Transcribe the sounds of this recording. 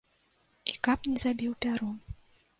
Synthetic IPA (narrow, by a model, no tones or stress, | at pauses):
ikapnʲɛzabʲiwpʲaɾɔm